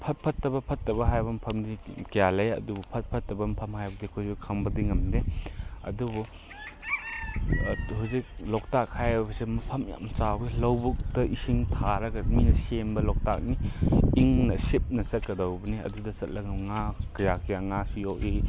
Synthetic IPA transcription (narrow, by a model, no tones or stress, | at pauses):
pʰɐt̚pʰɐtːɐbɐpʰɐtːɐbɐɦajbɐm̩pʰɐmdikijalɐjɐ̰dubupʰɐt̚pʰɐtːɐbɐm̩pʰɐmhajbɐdikʰuzukʰɐmbɐdiŋɐmdeɐ̰dubu | huzik̚lɔk̚tak̚hajbɐsemɐpʰɐmja̰mt͡ʃaɡilɐwbuk̚tɐʔisiŋtʰaɾɐɡɐminɐsembɐlɔk̚ta̰k̚niiŋnɐsip̚nɐsɐt̚kɐdɐwbɐniɐ̰dudɐsɐt̚lɐŋɐmŋakjakijaŋasijɔki